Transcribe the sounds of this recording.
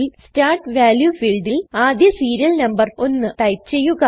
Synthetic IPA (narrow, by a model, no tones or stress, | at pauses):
lstaːrʈʋaːljufiːlɖilaːd̪jɐsiːɾijɐlnɐmbɐro̞nːɨt̪ɐjt͡ɕe̞jːuɣɐ